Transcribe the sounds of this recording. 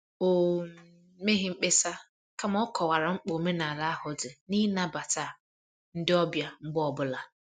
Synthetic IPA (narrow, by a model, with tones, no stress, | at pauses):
o˨ | me˦ɦɪ˦ŋ͡m̩˦k͡pe˦sa˦ | ka˦m˦ɔ˦kʰɔ˨wa˨ɾa˨ŋ͡m̩˦k͡po˨me˦na˨la˦hʊ˨dɪ˨ni˦na˦ba˨ta˦˨ | n̩˦dɪ˦ɔ˦bja˨ŋ͡m̩˦ɡ͡bɔ˨bʊ˦la˨